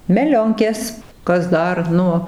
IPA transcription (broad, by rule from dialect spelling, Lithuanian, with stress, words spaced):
mʲɛˈlʲoːŋʲkʲeːs ˈkɐs ˈdɐr ˈnʊ